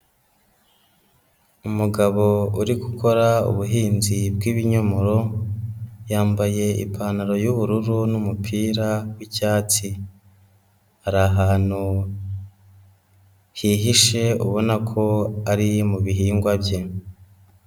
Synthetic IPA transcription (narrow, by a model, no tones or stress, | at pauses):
umuɡaβo̞uɾikuko̞ɾaṵβuɦiːnzib̚ɡiːβiɲomoɾo̞ | jaːmbaje̞ḭpʰanaɾo̞juβuɾuɾunumupʰiːɾawicaːt͡si | haɾaɦaːn̥hu | hiɦiʃe̞ṵβo̞nakʰo̞aɾimuβiɦiːŋɡwabje̞